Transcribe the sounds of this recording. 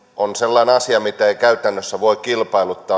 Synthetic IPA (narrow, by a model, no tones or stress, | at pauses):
onselːɑineɑsiɑmit̪æeikæyt̪ænːøsːæʋoikilpɑilut̪ːɑː